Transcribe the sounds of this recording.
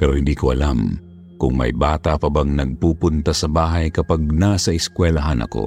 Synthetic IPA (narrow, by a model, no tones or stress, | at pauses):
pɛɾohɪnd̪iːkoʔɐlam | kʊŋmɐ̰jbaːt̪apɐbaŋnɐɡ̚puːpʊnt̪asɐbaːɦajkɐpaɡ̚nasɐɪskwɛlaɦanʔɐ̰ko̰